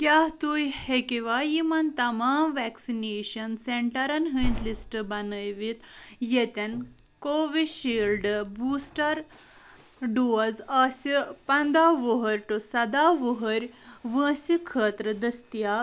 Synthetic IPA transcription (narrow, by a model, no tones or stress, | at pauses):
kʲjaɦt̪ujhekiʋajimɐnt̪ɐmaːmʋɛksineɕɐnseɳʈɐɾɐnɦəĩnt̪lisʈbɐnəjʋit̪jet̪en | koːʋiɕilɖbusʈɐɾ | ɖuzasipɐnd̪aʋoɦəɾʲʈosɐd̪aʋoɦəɾʲʋə̃ːsikʰəːt̪ɾəd̪ɐst̪ija